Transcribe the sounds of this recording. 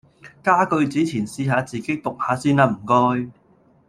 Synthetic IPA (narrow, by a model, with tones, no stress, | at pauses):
kaː˥kɵ˧ɥt͡siː˨˥t͡sʰiː˨˩nsiː˧ɦaː˨˧t͡siː˨˩ke˦˥t̪ʊ˨k̚haː˨˧siː˥naː˧m̩˨˩kɔː˥j